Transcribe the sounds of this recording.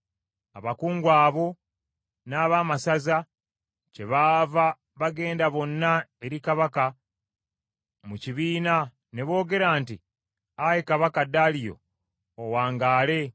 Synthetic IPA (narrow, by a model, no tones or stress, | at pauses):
a̰βakuːŋɡwaːβo̞ | naːβaːmasaza | ce̞βaːva | βaɡe̞ːndaβo̞nːae̞ɾikaβaka | muciβiːna | ne̞βo̞ːɡe̞ɾaːnti | ajekaβakadalijo̞̰ː | waːŋɡaːle̞